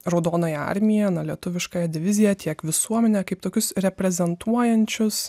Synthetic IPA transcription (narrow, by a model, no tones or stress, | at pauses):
ɾɐʊd̪oːnoːjɛɐ̰ɾʲmʲɪjɛnɐlʲiɛt̪ʊʋʲɪʃkɑːjɛd̪ʲɪʋʲɪzʲɪjɛt̪ʲiɛkʋʲɪsuɔmʲɛnʲɛkɐɪp̚t̪oːkʲʊsɾʲɛpʲɾʲɛzʲɛnt̪ʰuɔjɛnʲt͡ʃʲʊs